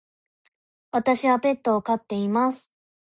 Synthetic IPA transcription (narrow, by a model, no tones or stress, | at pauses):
βat̪aɕiβape̞t̪ːo̞ːkat̪ːe̞imasɨ̥